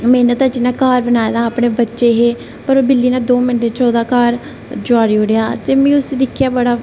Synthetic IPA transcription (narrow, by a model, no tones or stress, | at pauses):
mɛ̃ːnət̪ət͡ʃinãːkaːɾbənaːd̪aːapɳeːbətːʃeːɦeː | pəɾoːbɪlːiːnãːd̪oːmɪnʈeːt͡ʃɔːd̪aːkaːɾ | d͡ʒoaːɽiːoɽejaːt̪eːmɛ̃ːʊsiːd̪ɪkʰːjaːbəɽaː